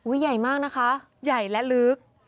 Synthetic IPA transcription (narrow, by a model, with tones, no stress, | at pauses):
ʔuː˦˥a˨˩jmaː˥˩k̚na˦˥kʰa˦˥ | ja˨˩jlɛ˦˥lɯ˦˥k̚